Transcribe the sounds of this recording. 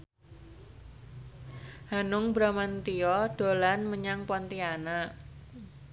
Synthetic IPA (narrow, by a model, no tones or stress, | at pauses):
hanʊŋbɾamant̪iɔɖ̥o̤lanməɲaŋpɔnt̪iana